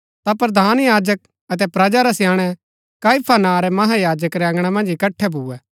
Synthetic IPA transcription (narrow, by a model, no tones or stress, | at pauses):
t̪apɾɐd̪ʱaːnjaːd͡ʒək̚ | ɐt̪ɛpɾɐd͡ʒaɾasɪjãːɽ̃ɛ | kaːɪpʰanaːɾɛmɐɦajaːd͡ʒəkɾɛɐ̃ŋɡɽ̃ɛmɐ̃nd͡ʒɪkɐʈʰːɛbʱuːɛː